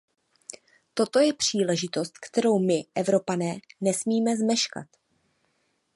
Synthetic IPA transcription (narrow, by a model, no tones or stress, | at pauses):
t̪o̞t̪o̞jɛpr̝̥iːlɛʒɪt̪o̞st̪̚kt̪ɛɾo̞wmɪʔɛvɾo̞panɛːnɛsmiːmɛzmɛʃka̰t̪